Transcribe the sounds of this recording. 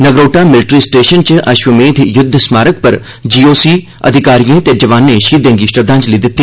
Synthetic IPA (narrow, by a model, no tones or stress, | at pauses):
nəɡɾoːʈaːmɪlʈɾiːsʈeːʃənt͡ʃʔɐʃʋəmẽːd̪ʱjʊd̪ʱsmaːɾək̚pɐɾ | d͡ʒiːoːsiː | ə̰d̪ʱɪkaːɾijẽːt̪ed͡ʒɐʋaːnːẽʃiːd̪ẽːŋɡiːʃəd̪ãːt͡ʃliːd̪ɪt̪ːi